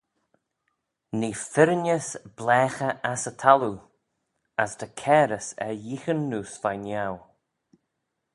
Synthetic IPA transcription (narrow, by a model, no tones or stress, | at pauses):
niːfɪɾnəsb̥lɛːxəʔasətʰalu | asd̪əkʰɛːɾəsɛ̰jixənːuːsvajnjaw